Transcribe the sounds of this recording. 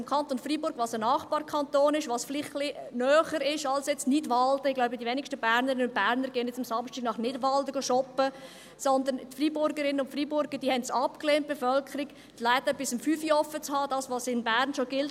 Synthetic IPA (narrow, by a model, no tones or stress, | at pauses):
mkʰɑnt̪onfribʊɾɡ̥ʋɑːsənɑːχb̥ɑːɾkʰɑnt̪oːnɪʃʋɑsflɪχχlinœːχəɾɪʃɑlsjɛt͡snɪdʋɑldəɪɡlaʊbədiʋɛnɪkʃtəbæːɾnəɾɪnəʊnt̚b̥æːɾnəɾɡ̥eːənjɛt͡sɑmsɑmʃtiɡnɑχnɪdʋɑldəɡ̥oʃɔpːə | sɔnd̪əntfriːbʊɾɡəɾɪnːənʊntfriːbʊɾɡəd̥iːhɛntsɑpkleːnt̚b̥efœlkʰəɾɪɡ | d̥laɪt̪əb̥ɪsəmfyːfiɔfət͡shɑːd̥ɑːsʋɑːsɪnbæːɾnʃoɡ̥ɪlt